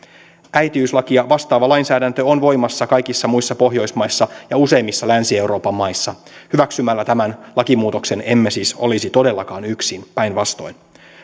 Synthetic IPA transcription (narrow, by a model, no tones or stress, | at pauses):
ʔæjt̪iyslɑkiɑʋɑst̪ɑːʋɑlɑjnsæːdænt̪øonʋo̞jmɑsːɑkɑjkisːɑmuisːɑpo̞ɦjo̞jsmɑjsːɑjɑuse̞jmːisːɑlænsie̞wɾo̞ːpɑmːɑjsːɑhyʋæksymælːæt̪æmænlɑkimuːt̪o̞kse̞ne̞mːesiːso̞̰lisit̪o̞de̞lːɑkɑːnyksinpæjnʋɑst̪o̞jn